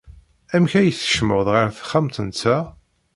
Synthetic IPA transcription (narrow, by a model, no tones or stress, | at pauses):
æmçæjəθə̥ʃmʊʁðʁəɾθə̥χːamt̪ənt͡sːæ